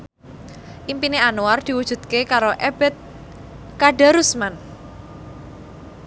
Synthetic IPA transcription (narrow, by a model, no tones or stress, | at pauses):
ʔimpineanuard̪̥i̤wud̥ʒ̥ṳd̪̥̚kekaɾoʔeb̥ɛt̪̚ | kaɖa̤ɾusman